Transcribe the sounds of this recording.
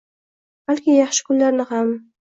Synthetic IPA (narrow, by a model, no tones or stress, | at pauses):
b̥alkʲɪjɑχʃɪ̥kʰʊnlaɾnɪham